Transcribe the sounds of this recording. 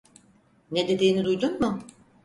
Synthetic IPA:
ne̞d̪e̞d̪iːnid̪ujd̪unmʊ

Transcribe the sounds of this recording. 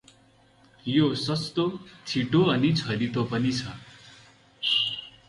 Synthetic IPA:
josʌst̪ot͡sʰiʈoʌnit͡sʰʌɾit̪opʌnit͡sʰʌ

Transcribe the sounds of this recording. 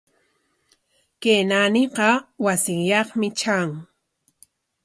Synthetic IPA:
keːnanɪqɑwasɪŋjɑχmɪt͡ʃaŋ

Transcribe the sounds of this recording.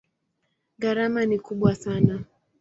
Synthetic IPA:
ɣaɾamanikuɓwasana

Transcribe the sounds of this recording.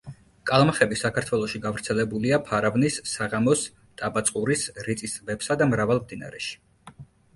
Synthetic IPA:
kʼalˠmaχɛbisakʰaɾt̪ʰwɛlˠɔʃiɡavɾt̪sʰɛlɛbuliapʰaɾavnisːaʁamɔs | t̪ʼabat̪sʼqʼuɾisɾit̪sʼisvɛpsad̪amɾavalˠmd̪ina̰ɾɛʃi̥

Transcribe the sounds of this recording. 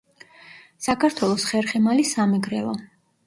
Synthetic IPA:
sakʰaɾt̪ʰwɛlˠɔsχɛɾχɛmalisamɛɡɾɛ̰lˠɔ

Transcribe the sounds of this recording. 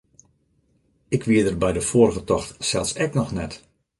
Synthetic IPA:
ɪkʰʋiədərbɛjdəfoərɣətɔxtsɛlˠsɛknɔxnɛt

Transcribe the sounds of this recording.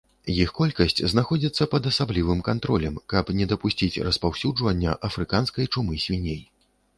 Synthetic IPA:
jixkɔlʲkɐsʲt͡sʲznaxɔd͡zʲit̪sːɐpɐd̪ɐsablʲivɨmkant̪ɾɔlʲɐmkɐpnʲɛd̪ɐpusʲt͡sʲit͡sʲrɐspawsʲud͡ʐvɐnʲːɐ̰ʔɐfɾɨkanskɐjt͡ʂumɨsʲvʲinʲej

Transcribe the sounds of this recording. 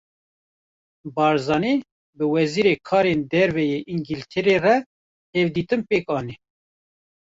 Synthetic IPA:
bɑːɾzɑːniː | bɨwɛziːɾeːkʰɑːɾend̪ɛɾvɛjeːʔiŋɡilt̪ʰɛɾerɛ | hɛvd̪iːt̪ɨmpeːkɑːnɛ

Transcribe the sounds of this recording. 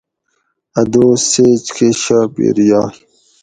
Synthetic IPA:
ɐd̪oːseːt͡ɕkʰeɕapḭɾjɑː

